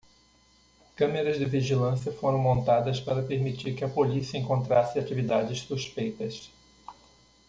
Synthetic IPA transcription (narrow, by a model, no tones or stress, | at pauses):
kɐ̃meɾɐzdɪviʒilɐ̃siɐfoɾɐ̃w̃mõnt̪ad̪ɐspaɾɐpeɾmit͡ʃiɾkɪɐpolisiɐẽŋkõnt̪ɾasɪat͡ʃivid̪ad͡ʒɪssuspejt̪ɐs